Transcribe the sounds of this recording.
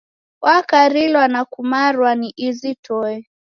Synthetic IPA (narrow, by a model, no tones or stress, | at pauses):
wʔakaɾilwanakumaɾwaniʔizitɔɛ